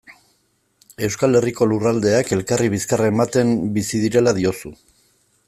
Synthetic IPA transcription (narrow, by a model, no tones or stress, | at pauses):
e̞wskale̞riko̞lurald̪e̞ake̞lkariβ̞iskaraemat̪e̞mbisiðiɾe̞lað̞io̞su